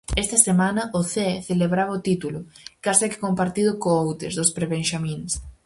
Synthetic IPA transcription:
ɛst̪ɐsemanɐʔʊθeθeleβɾaβɐʊt̪it̪ulʊkasɛkɪ̥kompaɾt̪iðʊkoowt̪ḛzðʊspɾeβenʃamĩns

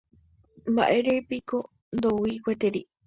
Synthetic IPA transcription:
mba̰ʔeɾepiko | nd̪owikʷet̪eɾi

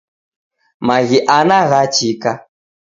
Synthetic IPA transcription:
maɣiʔanaɣat͡ʃika

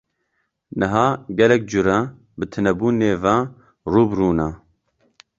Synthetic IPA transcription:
nɨɦaːɡɛlɛk̚d͡ʒʊɾɛ | bɨt̪ʰɨnɛbuːneːva | ruːbruːna

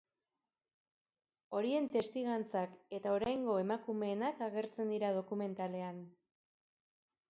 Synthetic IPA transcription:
o̞ɾie̞nt̪e̞st̪iɣant͡sake̞t̪aoɾajŋɡo̞e̞makume̞ːnakaɣe̞ɾt͡se̞nd̪iɾað̞o̞kume̞nt̪ale̞an

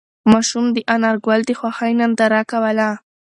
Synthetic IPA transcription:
mɑʃumd̪əʔanaɾɡwald̪əxwaxajnand̪aɾakawala

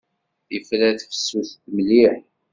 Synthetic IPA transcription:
iflæθfə̥sːuθt̪məliħ

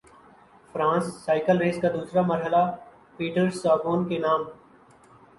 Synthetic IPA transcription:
fɾãːsːaːɪkəlɾeːskad̪uːsɾamɐɾɦəla | piːʈəɾsaːboːnkenaːm

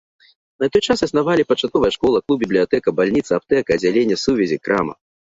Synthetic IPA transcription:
nɐt̪ɔjt͡ʂasɐsnavalʲipɐt͡ʂat̪̚kɔvɐjɛʂkɔlˠɐklˠub̚bʲiblʲijat̪ɛkɐbalʲnʲit̪sɐap̚t̪ɛkɐɐd͡zʲalʲenʲːɐsuvʲɛzʲikɾamɐ̰

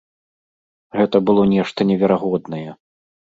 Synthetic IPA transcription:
ɣɛt̪ɐbɨlˠɔnʲɛʂt̪ɐnʲɛvʲɛɾaɣɔd̪nɐjɛ

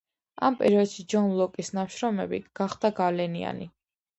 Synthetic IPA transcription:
ampʼɛɾiɔd̪̥ʃid͡ʒɔnlˠɔkʼisnamʃɾɔmɛbḭɡ̥aχd̪aɡalɛnia̰nḭ

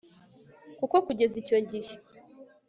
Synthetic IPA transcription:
kukokuɟezicoɲɟiʃi

